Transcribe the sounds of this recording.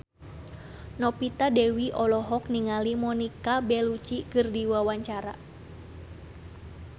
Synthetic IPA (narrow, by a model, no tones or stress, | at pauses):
nɔpit̪adɛwiʔɔlɔɦɔk̚niŋalimɔnikabɛlut͡ʃikɨrdiwawaɲt͡ʃaɾa